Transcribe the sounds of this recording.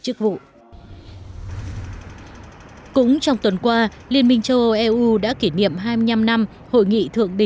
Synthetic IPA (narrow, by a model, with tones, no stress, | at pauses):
t͡ɕɨ˦˥k̚vṵ˧˨ | kʊ̰˧˥ŋ͡mt͡ɕɔ˧wŋ͡mt̪wə˨˩nkwaː˧li˧ənmï˧ŋt͡ɕo˧ʔɛ˧ʔu˧ɗa̰ː˧˥ki˧˩nḭ˧˨əmɦaː˧jmɨ˧əɲa˧mna˧m | ho̰˧˨jŋḭ˧˨t̪ʰɨ̰˧˨əŋɗï˨˩